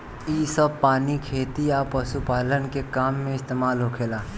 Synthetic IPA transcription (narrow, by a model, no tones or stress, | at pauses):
iːsəb̚paːnikʰeːt̪iaːpəsupaːlənkekaːmːẽɪst̪eːmaːlɦokʰeːlaː